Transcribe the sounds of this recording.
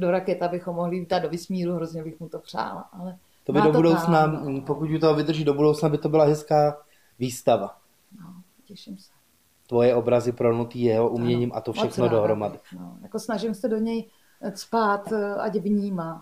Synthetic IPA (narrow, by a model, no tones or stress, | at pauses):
do̞ɾakɛt̪abɪxomːoɦlɪdadovɪsmiːɾuɦɾozɲɛbɪxmut̪opr̝̥a̰ːla̰ʔalɛ | t̪obɪdob̪udownapokucjut̪oɦovɪd̪r̩ʒido̞budo̞wt͡snabɪt̪o̞bɪlaɦɛskaː | viːst̪ava | no | cɛʃɪmsɛ̥ | t̪vo̞jɛo̞bɾazɪpɾonut̪iːjɛɦoʔumɲɛɲiːmʔat̪ofʃɛxnodoɦɾomadɪno̰jakosnaʒɪmsɛdo̞ɲɛj | spaːt̪a̰ɟvɲiːmat̪